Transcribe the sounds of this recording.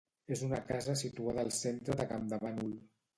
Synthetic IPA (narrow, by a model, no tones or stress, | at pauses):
ezunakazəsit̪uaðəːlˠsent̪ɾəðəkamd̪aβanul